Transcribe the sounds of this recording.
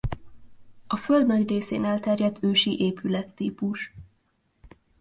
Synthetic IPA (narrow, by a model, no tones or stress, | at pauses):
ɒføld̪nɒɟreːsḛːnɛlt̪ɛrjɛd̪ʰøːʃiʔeːpylɛt̪ːiːpuʃ